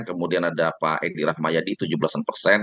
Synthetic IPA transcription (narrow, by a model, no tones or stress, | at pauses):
kəmudianadapaʔɛdiɾahmajadit̪ud͡ʒubəlasanpərsɛn